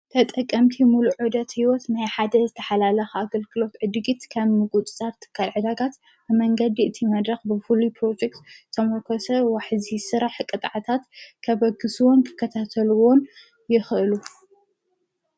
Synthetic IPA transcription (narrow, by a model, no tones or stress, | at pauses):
t̪ʰɐt̪ʼɐkʼːɐmt̪ʰimuluʕɨd̪ɐt̪hiwɔt̪najħad̪ɐzɨt̪ʰɐ̥ħalalɐxaaɡɐlɡɨlo̞t̪ʕɨd̪ɡit̪kʰɐβmɨɡʼut̪ʼɨ̥t̪ʼat̪t̪ʰːɨ̥kʰːalʕɨd̪aɡat̪ | bɨmɐŋɡɐd̪iʔɨt̪ʰimɐd̪ɾɐxbɨfulupʰɾo̞d͡ʒek̚t̪t̪ʰːɐmokʰosɐwaħɨzisɨɾaħkʼɨt̪ʼʕat̪ʰat̪kʰɐbɐɡːɨsuwonkʰɨ̥kʰːɐt̪ʰat̪ʰɐluwon | jɪxʔɨlu